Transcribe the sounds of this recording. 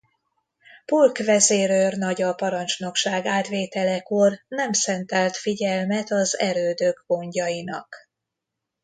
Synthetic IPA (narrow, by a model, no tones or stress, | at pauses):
pulkʋɛzeːɾørnɒɟɒpɒɾɒnt͡ʃno̞kʃaːɡaːt̪ʋeːt̪ɛlɛkornɛmsɛnt̪ɛlt̪fiɟɛlmɛt̪ɒzɛ̰ɾøːd̪øɡɡo̞ɲɟɒjinɒk